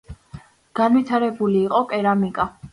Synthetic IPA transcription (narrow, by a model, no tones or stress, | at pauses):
ɡ̥anvit̪ʰaɾɛbuliːqʼɔkʼɛɾamikʼa